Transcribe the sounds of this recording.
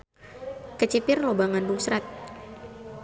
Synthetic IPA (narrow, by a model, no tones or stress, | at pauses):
kət͡ʃipɪrlobaŋanduŋsɾat̪̚